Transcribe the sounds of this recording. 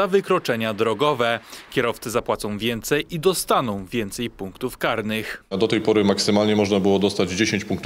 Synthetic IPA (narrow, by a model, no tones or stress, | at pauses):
avɘkɾɔt͡ʂɛɲad̪ɾɔɡɔvɛkʲɛɾɔft̪sɛzapwat̪sɔ̃w̃vʲjɛnt̪sɛjid̪ɔst̪anɔ̃w̃vʲjɛnt̪sɛjpuŋkt̪ufkaɾnɘxd̪ɔt̪ɛjpɔɾɘmaksɘmalɲɛmɔʐnabɘwɔd̪ɔst̪ad͡ʑd͡ʑeɕeɲt͡ɕpuŋkt̪u